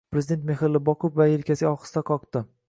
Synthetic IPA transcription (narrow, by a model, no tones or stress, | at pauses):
pɾezɪd̪ent̪mexɪɾlːɪbɒqʰʊpvaelkʲasɒχɨ̥st̪aqʰɒqt̪ɪ